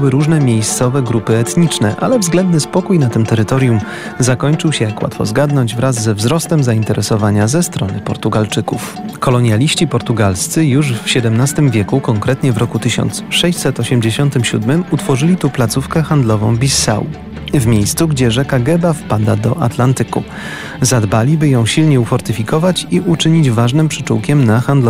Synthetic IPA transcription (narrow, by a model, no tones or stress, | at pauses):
wɘɾuʐnɛmʲjejst̪sɔvɛɡɾupɘɛt̪ɲit͡ʂnɛ̰ʔa̰lɛvzɡlɛnd̪nɘspɔkujnat̪ɘmt̪ɛɾɘt̪ɔɾjum | zakɔɲt͡ʂɘwɕɛjakwa̰t̪fɔ̰zɡad̪nɔɲd͡ʑvɾazːɛvzɾɔst̪ɛmzaint̪ɛɾɛsɔvaɲazɛst̪ɾɔnɘpɔɾt̪uɡalt͡ʂɘkuf | kɔlɔɲjalʲiɕt͡ɕipɔɾt̪uɡalst̪sɘjuʂfɕɛd̪ɛmnast̪ɘmvʲjɛkukɔŋkɾɛt̪ɲɛvɾɔkut̪ɘɕɔ̰nt̪sʂɛɕsɛt̪ɔɕɛmd͡ʑeɕɔnt̪ɘmɕṵd̪mɘmut̪fɔʐɘlʲit̪uplat̪sufkɛxand̪lɔvɔ̰̃w̃bʲisa̰w | vmʲjejst̪suɡd͡ʑɛʐɛkaɡɛbafpad̪ad̪ɔʔa̰t̪lant̪ɘkṵ | zad̪balʲibɘjɔ̃w̃ɕilɲɛufɔɾt̪ɘfʲikɔvat͡ɕiʔut͡ʂɘɲid͡ʑvaʐnɘmpʂɘ̥t͡ʂuwkʲɛmnaxand̪lɔ